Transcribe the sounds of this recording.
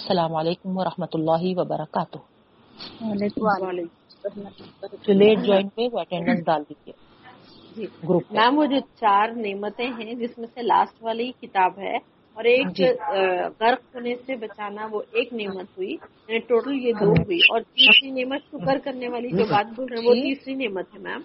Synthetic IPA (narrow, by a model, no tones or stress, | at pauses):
ɐsɐlaːmɐleːkʊmʋɐɾɐhmət̪ʊlːaːɦiʋɐbɐɾɐkaːt̪ʊ | alekaaleːk̪ | d͡ʒoleːʈ̚d͡ʒɔːɪnueʋoɐʈɛ̃ːɳɖə̃nsdaːld̪id͡ʒieː | d͡ʒiːɡɾupːmɛ̃ːʋod͡ʒʱot͡ʃaːɾneːmət̪ẽɦɛ̃d͡ʒɪsmẽsela̰ːsʈʋaːlikɪt̪aːbɦɛ̰ | ɔːɾeːk | ɣɐɾqɦoːnesebɐt͡ʃaːnaʋoʔeːkneːmət̪ɦʊijɛneʈoːʈəljed̪oːɦuiʔɔːɾt̪iːsɾineːmət̪ʃʊkəɾkɐɾneʋaːlid͡ʒoːbaːt̪̚bʱʊlɛ̃ʋot̪iːsɾineːmət̪ɦɛmɛ̰̃ːm